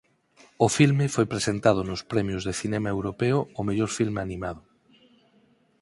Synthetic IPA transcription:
ofilmɪfojpɾesent̪að̞ʊnʊspɾɛmjʊzðeθinemaewɾopeʊːmeʎoɾfilmeanimaðʊ

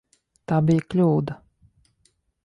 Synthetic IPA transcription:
t̪aːbiːklʲuːd̪a

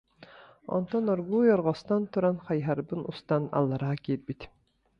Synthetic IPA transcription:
ɔ̰nt̪ʰɔnɔɾɡuːjɔɾʁɔst̪ɑnt̪ʰuɾɑnχɑjɦɑɾbɯnust̪ɑna̰lˠːɑɾɑːkʲet̪̚bit̪ʲ

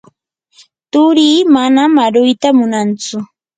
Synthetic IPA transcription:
t̪ʊɾiːmanamaɾʊjt̪amʊnant͡sʊ

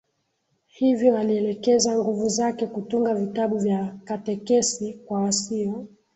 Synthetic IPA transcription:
hivjɔaliɛlɛkɛzaŋɡuvuzakɛkutuŋɡavitaɓuvjakatɛkɛsikwawasiɔ

